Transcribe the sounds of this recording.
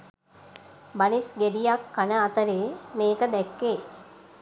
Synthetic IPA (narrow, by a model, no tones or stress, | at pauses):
banisɡeɖijakːanəat̪əɾeːmeːkəd̪ɛkːeː